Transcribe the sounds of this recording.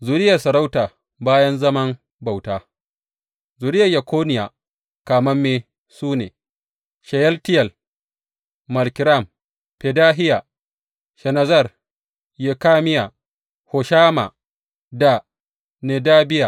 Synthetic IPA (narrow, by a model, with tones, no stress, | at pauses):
zu˨ɾɪ˦jɐ˨rsɐ˨ɾa˦wtaː˨ | baː˦jɐ˦nzɐ˦mɐ˦ŋ | ba˨wtaː˦ | zu˨ɾɪ˦jɐ˨jɐ˨kʷoː˦nɪ˨ja˨ | kaː˨mɐ˦mːeː˦ | suː˦nḛː˨ | ʃɐ˨jɛ˦ltɪ˦jɐ˨l | mɐ˨lkʲɪ˨ɾa˦˨m | pe˨daː˦ɦɪ˦ja˨ | ʃɛ˨na˨zɐ˦˨r | je˨kaː˦mɪ˦ja˨ | ho˨ʃaː˦ma̰˨ | da˦˨ | ne˨daː˦bɪ˦ja˨